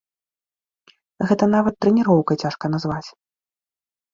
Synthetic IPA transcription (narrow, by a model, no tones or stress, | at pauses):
ɣɛt̪ɐn̪avɐt̪ːɾɛnʲiɾɔwkɐt͡sʲaʂkɐnazvat͡sʲ